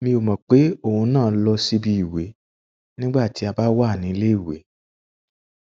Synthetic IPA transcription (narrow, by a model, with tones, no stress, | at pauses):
mĩ˧o˨mã˨k͡pe˨˦o˦˨hũ˧nãː˦˨˦lɔ˧si˦bi˧i˨we˨˦ | nĩ˦ɡ͡ba˦˨ti˨˦a˧ba˨˦wa˦˨nĩ˨˦˧le˦i˦˨wḛ˨˦